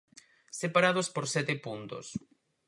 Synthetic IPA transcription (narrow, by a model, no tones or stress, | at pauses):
sepaɾað̞ospoɾsɛt̪epunt̪o̰s